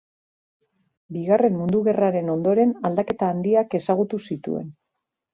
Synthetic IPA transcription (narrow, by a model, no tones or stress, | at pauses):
biɣare̞mmːund̪uɣe̞raɾe̞no̞nd̪o̞ɾe̞nald̪ake̞t̪aːnd̪iake̞saɣut̪usit̪ṵe̞̰n